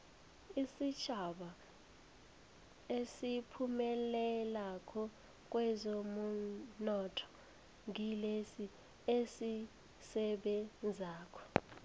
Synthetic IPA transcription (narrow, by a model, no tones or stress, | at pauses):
isit͡ʃʰaɓa | esipʰumɛlɛlakʰɔ | k̬ʼwɛzomunɔtʰɔ̥ | ŋilesi | esi | sɛɓɛnd͡zʱaːkʰɔ̥